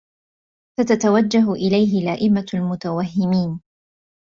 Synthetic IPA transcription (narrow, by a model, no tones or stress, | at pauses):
sat̪at̪awad͡ʒːaɦʊʔɪlajɦɪlaːʔɪmalmʊt̪awaɦːɪmiːn